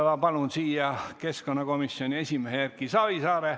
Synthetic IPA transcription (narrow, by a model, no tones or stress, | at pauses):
lɑpɑlunsiːjɑkeskonːɑɡ̥omisːioniesʲimeheærkːisɑʋisɑːɾe